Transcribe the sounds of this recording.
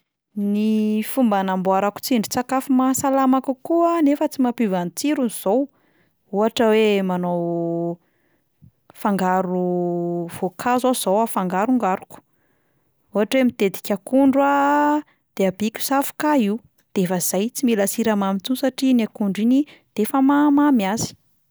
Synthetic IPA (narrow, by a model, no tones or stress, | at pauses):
nifumbanambuaɾaku̥t͡siɳɖ͡ʐit͡sakafumasalamakukuanefət͡simapivanit͡siɾunz̥ow | uɦaʈ͡ʂəwemanow | faŋɡaɾu | v̥okʰazoz̥owafaŋɡaɾuŋɡaɾuku̥ | uɦaʈ͡ʂemit̪ed̪i̥kʲakuɳɖ͡ʐwa | d̪̥eabikʲu̥safu̥kaiw | d̪̥eefəz̥ajt͡similasiɾamamit͡sunsaʈ͡ʂinakuɳɖ͡ʐinid̪̥eefəmamamjazi̥